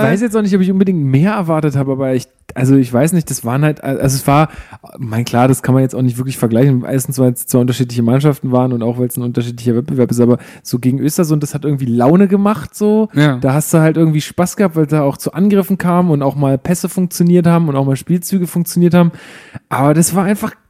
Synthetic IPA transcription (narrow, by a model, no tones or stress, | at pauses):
v̥aɪɪs̬jɛt͡staʊxnɪçtʔɔpɪçʔʊnbədɪŋktmeːɐɛɐvaɐtəthaːbəaːbɐɪç | ʔalzoɪçv̥aɪsnɪçt̚d̥asv̥aːʁənhaltʔa̰ʔa̰lzoɛsv̥aːɐmaɪnkʰl̥aːɐɾaskʰanmanjɛt͡staʊxnɪçtvɪɐk̬lɪçfɛɐɡlaɪçn̩ʔḛɐstn̩sv̥aɪlst͡sv̥aːʔʊntɐʃiːt̬lɪçəmanʃaftn̩vaːʁənʊntaʊxvaɪlsn̩ʔʊntɐʃ̬iːtlɪçɐvɛt̚b̥əvɛɐpɪstʔaːbɐ | z̥oːɡeːɡŋ̩ʔøːstɐzʊnd̥ashat̚ʔɪɐɡŋ̩tv̥iːlaʊnəɡəmaχtz̥oːd̥aːɦastd̥uːhaltʔɪɐɡŋ̩tv̥iːʃpasɡ̥əhap̚tvaɪldaːaʊxt͡suʔanɡʁɪfn̩kʰaːmənʊntaʊxmaːlpʰɛsəfʊŋk̚t͡sjoniːɐthaːbm̩ʊntaʊxmaːlʃpiːlt͡syːɡəfʊŋk̚t͡sjoniːɐthaːbm̩ʔaːbɐdasv̥aːɐʔaɪnfaχ